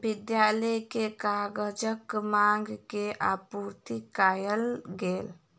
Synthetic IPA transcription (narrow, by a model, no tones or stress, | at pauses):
bɪd̪jalɛjkekaɡəd͡ʒəkmaŋɡkeapuɾt̪ikajəlɡeːl